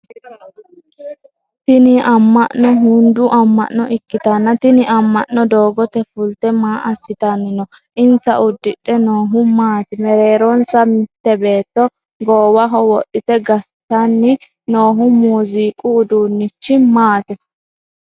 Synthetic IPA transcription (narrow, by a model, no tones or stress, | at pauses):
t̪ɪnɪʔɐmːɐʔnːɔɦund̪ʊʔɐmːɐ̰ʔnɔʔɪkːɪt̪ɐnːɐt̪ɪnɪʔɐmːɐʔːɔd̪o̞ːɡɔt̪ɛfʊlt̪ɛmaːʔɐsːɪt̪ɐnːɪnɔ | ʔɪnsɐʔʊd̪ːɪᶑːɛnoːɦʊmaːt̪ɛmɛɾeːɾɔnsɐmɪt̪ːɛbe̞ːt̪ːɔ | ɡoːwɐɦɔwɔɗɪt̪ɛɡɐ | t̪ːɐnːɪ | noːɦʊmuːziːkʼʊːd̪uːnːɪt͡ʃːɪmaːt̪ɛ